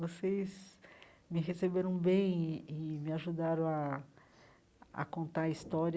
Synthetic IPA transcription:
vosejz | mɪɦesebeɾɐ̃w̃bẽj̃ɪmɪaʒud̪aɾɐ̃w̃a | a̰kõnt̪aist̪ɔɾi

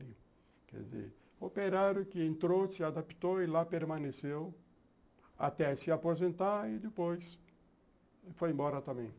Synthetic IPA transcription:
ɾjʊ | kɛ̰d̪ɪzḛɾ | opeɾaɾjʊkɪẽnt̪ɾosɪad̪api̥t̪oɪlapeɾmɐ̃nesew | a̰t̪ɛsɪapozẽnt̪aɪd̪ɪpojs | fojẽbɔɾɐt̪ɐ̃mbẽj̃

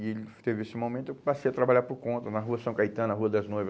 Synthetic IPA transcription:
ɪelɪt̪evɪesɪmomẽt̪ʊewpasejɐt̪ɾabaʎaɾpʊɾkõnt̪ɐnɐɦuɐsɐ̃w̃kajt̪ɐ̃nɐɦuɐd̪ɐznojvɐ

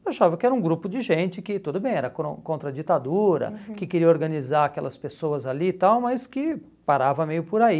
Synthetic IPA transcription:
aʃavɐkɪɛɾɐũɡɾupʊd͡ʒɪʒẽnt͡ʃɪkɪt̪od̪ʊbẽj̃ɛɾɐkõkõnt̪ɾɐd͡ʒit̪ad̪uɾɐ̰kɪkeɾiɐoɾɡɐnizaakɛlɐspesoɐzalit̪awmɐskɪ | paɾavɐmejʊpoɾai

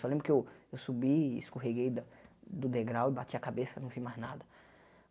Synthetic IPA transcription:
sɔlẽmbɾʊkɪewewsubiːskoɦeɡejd̪ɐd̪ʊd̪eɡɾawɪbat͡ʃiɐkabesɐnɐ̃w̃vimaznad̪ɐ

